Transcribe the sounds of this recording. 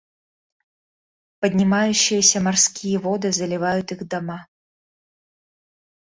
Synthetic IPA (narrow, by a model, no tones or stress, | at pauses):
pɐd̪ʲnʲimajʊɕːɪjəsʲɐmɐrskʲijɛvɔd̪ɨzɐlʲɪvajʊt̪ixd̪ama